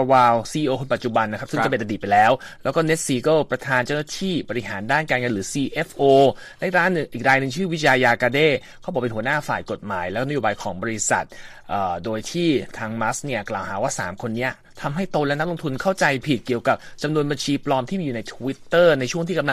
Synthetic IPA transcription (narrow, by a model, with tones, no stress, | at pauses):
waː˧wsiː˧ʔiː˧ʔoː˧kʰo˧npa˨˩t̪̚t͡ɕu˨˩ba˧nːa˦kʰa˦˥psɯ˥˨t͡ɕa˨pe˧nʔa˧diː˨˩t̪pːa˧jlɛː˦˥wlɛː˦˥wkɔː˥˩ne˦˥t̪̚siː˧kɤ˥˩pɾa˧t̪ʰaː˧nt͡ɕa˥˩na˥t̪ʰiː˥˩bɔː˧ɾi˧ɦaː˩˦ndaː˥˩nkaː˧nŋɤ˧lɯː˩˦siː˧ʔe˦˥fʔoː˧ | lɛ˦˥˩k̚ɾaː˦˥nːɯ˨˩ŋʔiː˨˩k̚ɾaː˧jnɯ˨˩ŋt͡ɕʰɯː˥˩wi˦˥jaː˧jaː˧kaː˧deː˥˩kʰɔ˦˥bɔː˨˩pe˧nhu˩˦ə˦naː˥˩faː˨˩jko˨˩t̪̚maː˩˦jlɛ˦˥kːn˦˥joː˧baː˧jkʰɔː˩˦ŋbɔː˧ɾi˦˥sa̰˨˩t̪̚ | ʔaː˨˩doː˧jt̪ʰiː˥˩t̪ʰaː˧ŋma˦˥sni˥˩ɐklaː˨˩whaː˨˩˦waː˥˩sa̰ː˩˦mkʰo˧nːi˦˥ɐ | t̪ʰa˧mɦa˥˩jt̪o˧lɛ˦˥na˥k̚lo˧ŋt̪ʰu˧nkʰa˥˩wt͡ɕa˧jpʰi˨˩t̪̚ki˨˩əwka˨˩p̚t͡ɕa˧mnu˧ənba˧nt͡ɕʰiː˧plɔː˧mt̪ʰiː˥˩miː˧juː˨˩na˧jt̪ʰu˧wi˦˥t̪ːɤː˥˩na˧jt͡ɕʰu˥˩əŋi˥˩ka˧la˧